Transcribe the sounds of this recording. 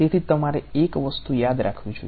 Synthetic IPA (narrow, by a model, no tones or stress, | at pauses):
et̪ʰit̪əmaɾeekʋəst̪ujad̪ɾʔa̰kʰʋĩd͡ʒo̰j